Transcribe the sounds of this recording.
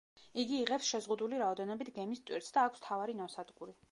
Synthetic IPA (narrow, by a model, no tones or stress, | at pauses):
iɡiːʁɛpsʃɛzʁud̪uliɾaɔd̪ɛnɔbit̪ʰɡɛmist̪ʼwiɾt̪sd̪aːkʷʰst̪ʰavaɾinɔsad̪ɡʼuɾi